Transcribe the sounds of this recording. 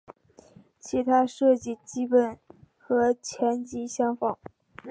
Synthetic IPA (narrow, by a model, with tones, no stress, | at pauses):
t͡ɕʰi˧˥t̪ʰa˥ʂɤ˥˧t͡ɕi˥˩t͡ɕi˥pə˨˩n | xɤ˧˥t͡ɕʰjɛ˧˥nt͡ɕi˧˥ɕjɑ˥ŋfɑ˨˩˦ŋ